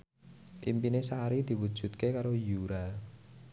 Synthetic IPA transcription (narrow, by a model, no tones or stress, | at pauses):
ʔimpinesaɾid̪̥i̤wud̥ʒ̥ṳt̪̚kekaɾojuɾa